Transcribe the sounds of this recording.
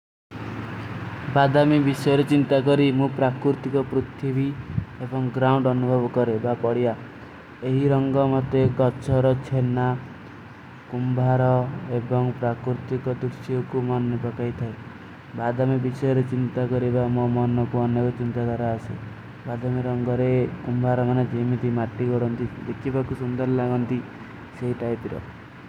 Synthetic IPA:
bad̪ʱamibisɔjɔɾet͡ʃint̪akɔɾimũpɾakɾuɾt̪ikɔpɾut̪ʰibiebɔŋɡɾauɳɖɔnubʱɔbɔkɔɾebapɔɽia | eɦiɾɔŋɡɔmɔt̪ekɔt͡ʃʰɔɾɔt͡ʃʰena | kumbʱaɾɔebɔŋpɾakɾut̪ikɔd̪usiɔkumɔnːepɔkajt̪ʰae | bad̪ʱamebisɔjɔɾet͡ʃint̪akɔɾibamɔmɔnɔkuɔnjɔkɔt͡ʃint̪ad̪ʱaɾaːsḛ | bad̪ʱameɾɔŋɡɔɾekumbʱaɾɔmaned͡ʒemit̪ʰimaʈːikɔɽɔnt̪id̪ekʰːibakusund̪ɔɾlaɡɔnt̪i | seɦiʈajpiɾɔ̰

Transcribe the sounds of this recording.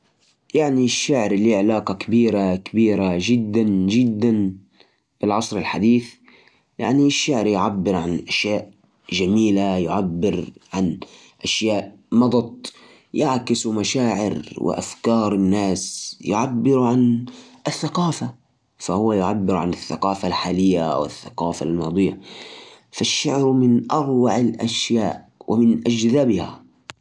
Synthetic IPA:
jaʕniʃːaʕɾliʕɪlaːqɑkabiːɾakabiːɾaʒɪd̪ːanʒɪd̪ːan | b̥ɪlʕɑsˤɾɪlħad̪iːθ | ja̰ʕniʃːaʕɾjʕabːɪɾʕanʔaʃjaːʔ | ʒamiːlajʊʕabːɪɾʕan | ʔaʃjaːʔ | mɑd̪ˤɑt̪̚ˤ | jaʕkɪsmaʃaːʕɪ̰ɾwɪ̰ʔa̰fkɑːɾˤɪnːaːsjʊʕabːɪɾʕanɪθːaqɑːfa | fahʊwːajʊʕabːɪɾʕanɪθːaqɑːfalħaːlɪjːawɪ̰θːaqɑːfa̰lmɑːd̪ˤɨjːa | faʃːaʕɾmɪnʔɑɾwaʕɪlʔaʃjaːʔwɪmɪnʔad͡ʒzaːbɪha̰

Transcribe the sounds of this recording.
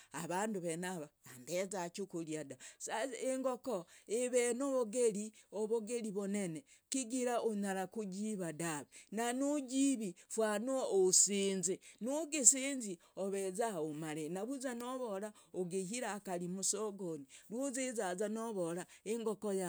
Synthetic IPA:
aβaːnduβenaβaːmbezakukuliadasaeŋɡokoeβenoβoɡeɾioβoɡeɾiβonene | kiɡiɾaoɲaɾakuɟiβadaβenanuɟiβifwanuoosiːnzenuɡisiːnzi | oβezaomaɾenaβuzanoβoɾaoɡehiɾaːkalimusoɡonilwozezazanoβoɾaeŋɡokoja

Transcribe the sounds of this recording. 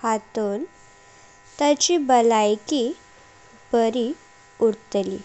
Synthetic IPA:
hat̪ol | t̪ət͡ɕibəlajki | bəɾi | uɾt̪lḭ

